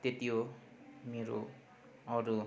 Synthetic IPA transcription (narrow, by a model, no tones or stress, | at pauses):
t̪et̪ijo | meɾo̰ | ɔɾu